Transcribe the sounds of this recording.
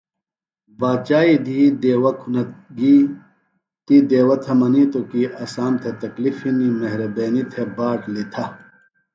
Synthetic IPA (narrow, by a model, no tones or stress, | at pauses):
baːt͡ɕaːid̪ʱiːd̪eːwɐkʰunɐɡi | t̪id̪eːwɐt̪ʰɐmɐnit̪okiʔɐsaːmt̪ʰet̪ɐklifinimɐɦɾɐbeːnit̪ʰebaːʈlit̪ʰɐ